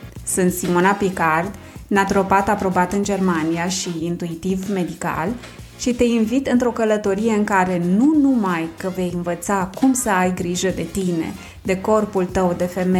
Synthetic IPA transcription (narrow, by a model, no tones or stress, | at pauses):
sunt̪simonapikard̪ | nat̪ɾo̞pat̪apɾo̞bat̪ɨnd͡ʒe̞rmaniaʃiːnt̪uit̪ivme̞d̪ika̰l | ʃit̪e̞invit̪ɨnt̪ɾo̞kələt̪o̞ɾije̞ɨŋkaɾe̞nunumajkəve̞jɨnvət̪sakumsəajɡɾiʒəd̪e̞t̪ine̞̰ | d̪e̞ko̞rpult̪əwd̪e̞fe̞me